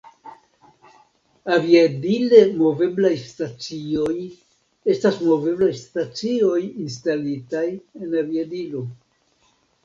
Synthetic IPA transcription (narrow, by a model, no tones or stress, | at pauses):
aviadile̞mo̞ve̞blajstat͡sio̞j | e̞stasmo̞ve̞blajstat͡sio̞jinstalitaje̞naviadilo̞